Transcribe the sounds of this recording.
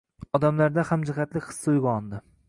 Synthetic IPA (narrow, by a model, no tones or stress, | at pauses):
ɒd̪amlaɾd̪ahamd͡ʒɪχat̪lɪkʲχɨ̥sːɪʊjɡʲaɒnd̪ɪ